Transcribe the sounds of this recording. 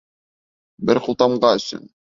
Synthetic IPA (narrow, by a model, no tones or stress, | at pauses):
bɘɾqŭlˠt̪ɑmɢɑɵ̆sɵ̰n